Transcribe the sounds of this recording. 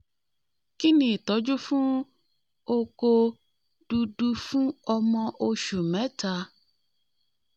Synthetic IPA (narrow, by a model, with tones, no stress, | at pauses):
ki˦nĩ˦˨tɔ˨˦d͡ʒu˦fũ˦ | o˧ko˧ | d̥u˧du˧fũ˦ɔ˧mɔ̃˧ʔo˧ʃu˨mɛ̃˨˦ta˧